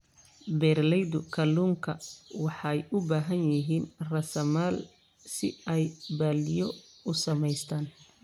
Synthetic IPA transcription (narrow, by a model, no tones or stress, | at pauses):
bɛːrlɛjd̪ʊkʰɐluːŋkʰɐwɑħɑjʔʊbaːɦɐnjɪɦiːnrɐsɐmaːl | sɪ̰ɛjbaːlɪjɔ | ʊsɐmɛjst̪ʰaːn